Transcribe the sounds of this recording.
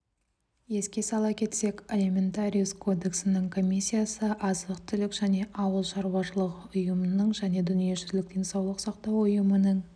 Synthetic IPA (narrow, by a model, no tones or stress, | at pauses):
je̞skʲe̞sɑlˠɑkʲʰe̞t̪se̞kʲelʲemʲe̞nt̪aɾʲijuskʰo̞d̪e̞ksɪnəɴkʰo̞mʲisʲːijasəʔɑzəqt̪ʰʏlɪkʒ̥æne̞ʔɑwəlˠʃɑɾwɑʃəlˠəqʊjəmənəɴʒæne̞d̪ʏnije̞ʒʏzlɪk̚d̪̥ʰejnsɑwlˠəqsɑqt̪ɑwʊjəmənəɴ